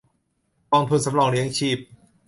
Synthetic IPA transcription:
kɔː˧nt̪ʰu˧nsa˨˦mɾɔː˧˩ŋɾi˦əŋt͡ɕʰiː˧˩p̚

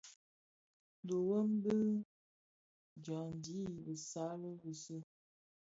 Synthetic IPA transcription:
do˨wə˦mbə˦ | d͡ʒa˨n˨˦di˨˦˨bə˨sa˨˦lə˦ɣu˨sə˦

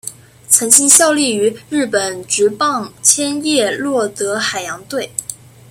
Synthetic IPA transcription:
t͡sʰɤ˧˥ŋt͡ɕi˥ŋɕjɑ˥˧ʊli˥˩y˧˥ɻɻ̩˥˩pə˨˩nʈ͡ʂɻ̩˧˥pɑ˥˧ŋt͡ɕʰjɛ˥njɛ˥˧lwɔ˥˩t̪ɤ˧˥xa˨˩ɪjɑ˧˥ŋt̪we˥˩ɪ

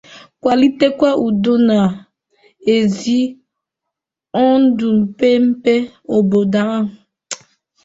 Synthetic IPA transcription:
kʷa˨li˦te˦kʷa˦ʔu˨do˦na˨ | e˨zi˦ | ɔ˦n̩˦du˨m̩˨pe˦m̩˦pe˦ | o˨bo˨da˦ɦ

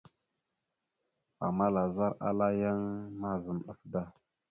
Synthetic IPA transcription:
a̰˨ma˦la˨za˦ɾa̰˦la˦ja˦ŋma˦zə˨mɗə˨fda˦

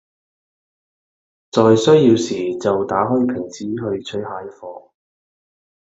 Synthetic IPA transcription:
t͡sɔː˨jsɵ˥ɥjiː˧wsiː˨t͡sɐ˨wt̪aː˨˥ɦɔː˥jpʰɪ˨˩ŋt͡siː˨˥ɦɵ˧ɥt͡ʃʰɵ˥haː˨˧˥jfɔː˧

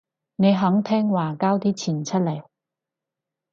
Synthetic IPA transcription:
ne˨˧jɦɐ˨˥ŋt̪ʰɛː˥ŋwaː˨kaː˥wt̪iː˥t͡sʰiː˨˩nt͡sʰɐ˥t̚lɐ˨˩j

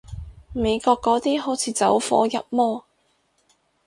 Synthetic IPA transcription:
me˨˧jkɔː˧kːɔː˨˥t̪iː˥ɦo˨˥wt͡sʰiː˨˧t͡sɐ˨˥wfɔ̰ː˨˥jɐ˨p̚mɔː˥

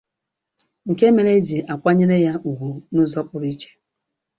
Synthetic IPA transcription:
ŋ̩˨ke˦me˦ɾe˦d͡ʒi˨ʔa˨kʷa˦ɲe˦ɾe˦ja˦u˨ɦʷu˨nu˦zɔ˦pʊ˨ɾi˦t͡ʃe̥˦

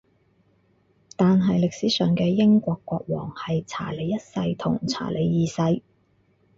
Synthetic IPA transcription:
t̪aː˨nɦɐ˨jlɪ˨k̚siː˨˥sœː˨ŋkɛː˧jɪ˥ŋkʷɔː˧kːʷɔː˧k̚wɔ̰ː˨˩ŋhɐ˨jt͡sʰa̰ː˨˩le˨˧jɐ˥t̚sɐ˧jt̪ʰʊ̰˨˩ŋt͡sʰa̰ː˨˩lʔe˨˧jːiː˨˧sɐ˧j

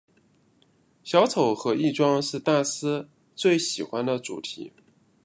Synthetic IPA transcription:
ɕjɑ˧˥ʊt͡sʰo˨˩ʊxɤ˧˥i˥˩ʈ͡ʂwɑ˥ŋʂɻ̩˥˧t̪a˥˩sɹ̩˥ | t͡swe˥˩ɪɕi˨˩xwa˧˥nd̪ə˨ʈ͡ʂṵ˨˩t̪ʰḭ˧˥

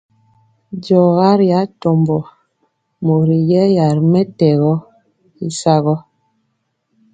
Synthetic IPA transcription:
d͡ʒɔ˨ɣa˦ɾja˨˦tɔ˨mbɔ˨ | mo˨ɾi˨jɛ˦ja˨ɾmɛ˦tɛ˨ɣɔ˦ | i˦sa˦ɣɔ˦

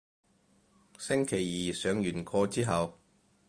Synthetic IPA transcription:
sɪ˥ŋkʰe˨˩jjiː˨sœː˨˧ŋjyː˨˩nkʰɔː˧t͡siː˥ɦɐ˨w

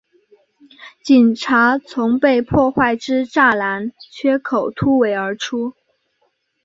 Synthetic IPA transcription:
t͡ɕi˨˩nʈ͡ʂʰa˧˥t͡sʰʊ˧˥ŋpe˥˧ɪpʰwɔ˥˧xwa˥˩ɪʈ͡ʂɻ̩˥ʈ͡ʂa˥˩la˧˥nt͡ɕʰɥɛ˥kʰo˨˩ʊt̪ʰu˥we˧˥ɪə˞˧˥ʈ͡ʂʰu˥

